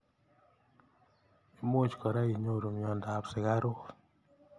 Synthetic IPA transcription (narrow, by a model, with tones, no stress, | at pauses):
e˨˦m˦o˦t͡ʃkɔ˨ɾa˦i˨ɲo˦ɾo˨mi˨ɔ˨nda˨psɪ˨ɡa˦ɾo˦